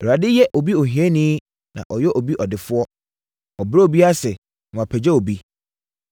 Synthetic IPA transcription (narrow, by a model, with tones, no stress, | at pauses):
a˨dɪ˦jɛ˦ʔo˨bi˦o˨ɦĩ˨ɛ˦nĩ˦ | nã̰˨ʔɔ˨jɛ˦ʔo˨bi˦ʔɔ˨dɪ˨fʊ˦ɔ˦ | ɔ˨bɾɛ˦o˨bi˦a˦sɛ˨ | nʊ̃˨a˨pʰɛ˨d͡ʑɛ˦o˨bi˦